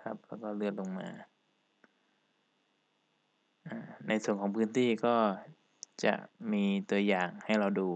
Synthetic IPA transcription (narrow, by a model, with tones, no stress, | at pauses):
kʰa˦˥p̚lɛː˦˥˩wkɔː˥˩lɯ˥˩ət̪̚lo˧ŋmaː˧ | ʔaː˨˩na˧jsu˧˩ənkʰɔː˨˦ŋpʰɯː˧˥nt̪ʰiː˥˩kɔː˥˩ | t͡ɕa̰˨˩ʔmiː˧t̪u˧ɐjaː˨˩ŋha˥˩jɾa˧wduː˧